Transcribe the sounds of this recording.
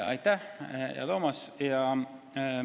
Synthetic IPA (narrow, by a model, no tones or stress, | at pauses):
ɑ̰jt̪ːæjɑ̰t̪omɑsjɑ